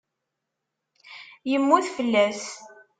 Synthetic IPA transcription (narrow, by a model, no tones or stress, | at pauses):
jəmːuθfəlːæs